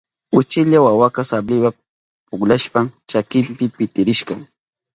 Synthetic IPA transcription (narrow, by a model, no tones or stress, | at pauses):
ʊt͡ʃɪʎawawakasablɪwa | pʊklaʃpamt͡ʃakɪmpɪpɪt̪ɪɾɪʃkɑŋ